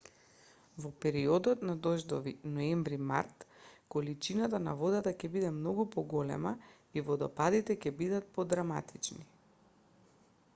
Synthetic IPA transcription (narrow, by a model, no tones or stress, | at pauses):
vɔpɛɾiɔd̪ɔt̪nad̪ɔʒd̪ɔvinɔɛmvɾima̰ɾt̪kɔlit͡ʃinat̪ana̰vɔd̪at̪acɛbid̪ɛmnɔɡupɔɡɔlɛ̰ma | ivɔd̪ɔpad̪it̪ɛcɛbid̪at̪̚pɔd̪ɾama̰t̪it͡ʃni